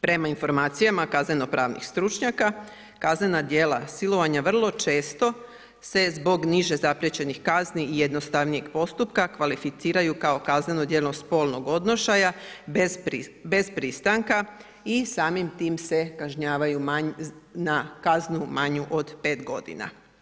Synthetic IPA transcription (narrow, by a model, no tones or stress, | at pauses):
pɾe̞mainfo̞ɾmaːt̪sijamakazne̞no̞pɾʔaːʋnḭxst̪ɾut͡ʃɲaka | kazne̞nad̪je̞ːlˠasilˠo̞ʋaɲaʋr̩lˠo̞t͡ʃe̞ːst̪o̞ | se̞zbo̞ɡniʒe̞zapɾjet͡ɕe̞nixkazniːje̞d̪no̞st̪aʋnije̞ɡ̥po̞st̪upkakʋalifit̪siːɾajukao̞kazne̞nod̪je̞lospo̞ːlˠno̞ɡo̞d̪no̞ʃajabebe̞zpɾist̪aŋka | isaːmimt̪iːmse̞kaʒɲaːʋajumaɲnakaznumaɲuʔo̞d̪pe̞ːt̪ɡo̞d̪ḭna̰